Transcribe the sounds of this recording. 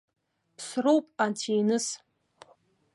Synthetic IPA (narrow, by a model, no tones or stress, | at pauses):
pʰsrowpʼantʰejnɨs